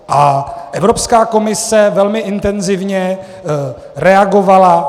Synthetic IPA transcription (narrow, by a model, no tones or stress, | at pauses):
ʔaʔɛvɾo̞pskaːko̞mɪsɛvɛlmɪʔɪnt̪ɛnzɪvɲɛ | ɾɛaɡo̞vala